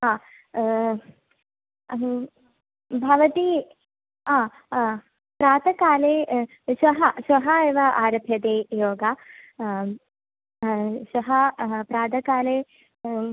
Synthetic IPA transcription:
aː | bʱɐʋɐt̪i | ãː | pɾaːd̪ɐkaːleː | ʃʋɐɦɐʃʋɐɦɐeːʋɐʔaːɾɐbʱjɐd̪eːjoːɡa | ʃʋɐɦɐpɾaːd̪ɐkaːleː

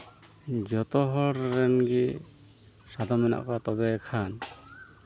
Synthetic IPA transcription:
d͡ʒɔt̪ɔɦɔɾɾɛnɡi | sad̪ʱɔmɛna̰ʔkɔat̪ɔbɛɛkʰan

